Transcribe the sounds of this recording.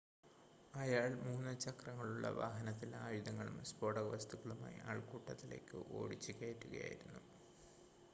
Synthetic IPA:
ɐjaːɭmuːnːɨt͡ɕːɐkrɐŋːɐɭuɭːɐ̰ʋa̰ːɦɐnɐt̪ːilaːjid̪ɐŋːɐɭṵmspo̞ːɽɐɡʋɐst̪uɣɐɭuma̰ːjḭʔaːɭkuːʈːɐt̪ːile̞ːkːɨʔo̞̰ːɽit͡ɕːikʲːe̞ːʈːuɣɐ̰ja̰ːjḭɾunːu

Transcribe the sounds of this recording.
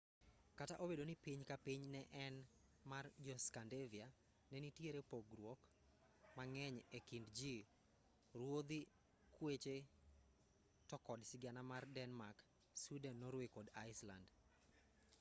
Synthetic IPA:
kataʔobedonipiɲkapiɲnɛʔɛnmard͡ʒɔskandevia | nɛnitjeɾepoɡɾwok | maŋɛɲekindd͡ʒi | ɾwod̪i | kwet͡ʃe | tɔkɔdsɪɡanamardɛnmak | sudɛnnɔɾwikɔdaɪsla̰nd

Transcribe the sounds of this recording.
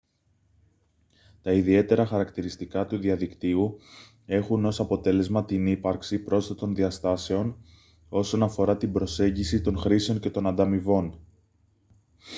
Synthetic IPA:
t̪ɐiðie̞t̪e̞ɾɐxɐɾɐkt̪iɾist̪ikɐt̪uðiɐðikt̪iu | e̞xuno̞sɐpo̞t̪e̞le̞zmɐt̪inipɐɾksipɾo̞stet̪o̞nðiɐst̪ɐse̞o̞n | o̞so̞nɐfo̞ɾɐt̪ibɾo̞se̞ɲɟisit̪o̞nxɾiseo̞ɲce̞t̪o̞nɐnd̪ɐmivo̞n

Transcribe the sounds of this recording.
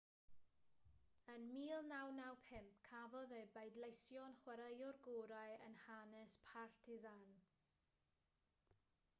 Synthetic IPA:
ənmiːlˠnawnawpʰɪmpkʰavɔðejbajdlˠejsjɔnχwɛɾəjɔrɡuːɾajə̰nhanɛspʰartʰɪzan

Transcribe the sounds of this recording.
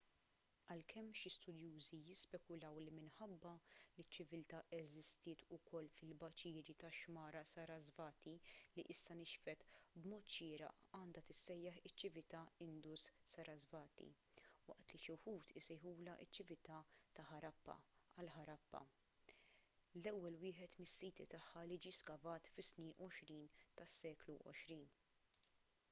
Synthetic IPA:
ɐlkʰɛmːʃist̪ʊd̪juːzijɪspɛkʊlɐwlimɪnħɐbːɐlɪt͡ʃːɪvɪlt̪ɐʔɛzɪst̪ɪːt̪ʊkʰɔlːfɪlbɐt͡ʃɪːɾit̪ɐʃmɐːɾɐsɐɾɐzvɐːt̪iliʔɪsːɐnɪʃfɛt̪bmɔːt̪ʃɪːɾɐ̰ʔɐːnd̪ɐt̪ɪsːɛjːɐħɪt͡ʃːɪvɪt̪ɐɪnd̪usːɐɾɐzvɐːt̪ḭ | wɐ̰ʔt̪liʃʊħuːt̪ʰɪsɛjħuːlɐʔɪt͡ʃːɪvɪt̪ɐt̪ɐħɐɾɐpːɐ̰ɐlħɐɾɐpːɐ̰ | lɛwːɛlwɪːħɛt̪mɪsːiːt̪it̪ɐħːɐlid͡ʒiskɐvɐːt̪fɪsniːnɔʃɾiːnt̪ɐsːɛːkluʔɔ̰ʃɾiːn

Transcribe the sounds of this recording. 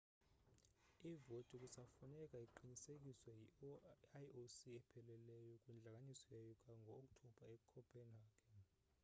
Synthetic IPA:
ivotʼuk̬ʼusafunɛk̬ʼaiǃinisek̬ʼiswɛjiajosiɛpʰɛlɛlɛjɔkʼwɛnd͡ɮʱak̬ʼanisɔjajɔkʼaŋɡʱɔːk̬ʼtʰɔb̥ʱaekukʰɔpʰeniaːkʰɛ

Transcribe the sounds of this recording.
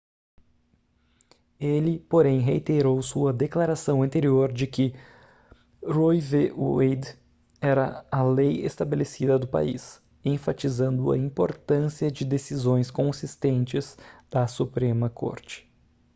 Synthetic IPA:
elɪpoɾẽj̃ɦeit̪eɾowsuɐd̪eklaɾasɐ̃w̃ɐ̃nt̪eɾioɾd͡ʒɪkɪ | ɾojveejd̪ | ɛɾɐɐlejḛst̪abelesid̪ɐd̪ʊpa̰ḭs | ẽfat͡ʃizɐ̃nd̪ʊɐ̰ĩpoɾt̪ɐ̃siɐd͡ʒɪd̪esizõj̃skõsist̪ẽnt͡ʃɪzd̪̥ɐsupɾẽmɐkʰo̰ɾt͡ʃɪ̥

